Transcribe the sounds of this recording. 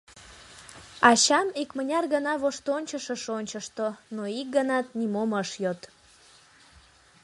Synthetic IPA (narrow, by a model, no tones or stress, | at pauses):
ɑɕɑmikmənʲɑrɣənɑβoʃt̪onʲt͡ɕəʃəʃonʲt͡ɕəʃt̪onoik̚ɡənɑt̪̚nimoməʃjot̪